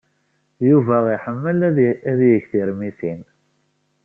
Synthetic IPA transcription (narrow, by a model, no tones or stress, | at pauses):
juvæiħəmːəlæðjəçθiɾmiθin